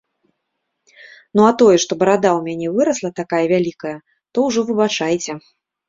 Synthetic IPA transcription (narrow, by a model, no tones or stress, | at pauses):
nuat̪ɔjɛʂt̪ɔbɐɾad̪awmʲanʲɛvɨɾɐslˠɐt̪akajɐvʲalʲikɐjɐ | t̪ɔwʐɔvɨbat͡ʂajt͡sʲɛ